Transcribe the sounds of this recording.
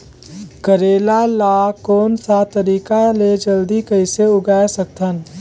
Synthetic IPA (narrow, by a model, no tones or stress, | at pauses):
kəɾeːlalaːkoːnsat̪əɾiːkaled͡ʒəld̪ikəɪseʊɡaːesɐk̚t̪ʰən